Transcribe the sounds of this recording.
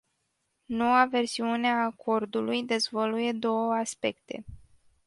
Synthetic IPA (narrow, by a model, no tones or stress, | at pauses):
no̞wave̞rsiuneaːkʰo̞rd̪ulujd̪e̞zvoluje̞d̪o̞wəaspe̞kt̪e̞̰